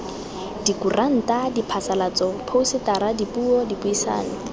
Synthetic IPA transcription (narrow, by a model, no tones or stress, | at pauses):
dikurʔan̩tadipʰasalat͡sɔpʰousɪtaɾadipuɔdipʊisa̰ːnɪ